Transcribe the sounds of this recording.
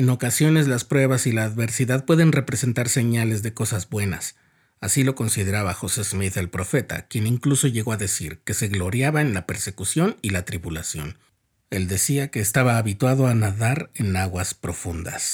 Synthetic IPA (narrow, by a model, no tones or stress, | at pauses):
eno̞kasjo̞ne̞zlaspɾwe̞βasilaːðβe̞ɾsiðaðpwe̞ðe̞nre̞pɾe̞se̞nt̪aɾse̞ɲale̞zðe̞ko̞sazbwe̞na̰s | asilo̞ko̞nsið̞e̞ɾaβaxo̞se̞zmiðe̞lpɾo̞fe̞t̪a̰kje̞niŋkluso̞ʝeɣoaðe̞siɾke̞se̞ɣlo̞ɾjaβaenlape̞ɾse̞kusjo̞nilat̪ɾiβulasjo̞̰n | e̞ld̪e̞siake̞ːst̪aβaːβit̪waðo̞anaðaɾe̞naɣwaspɾo̞fund̪a̰s